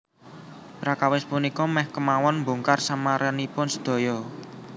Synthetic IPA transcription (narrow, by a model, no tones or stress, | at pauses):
pɾakawɪspunikɔmɛhkəmawɔnmbṳŋkarsamaɾʔənipʊnsə̥d̪̥o̤jɔ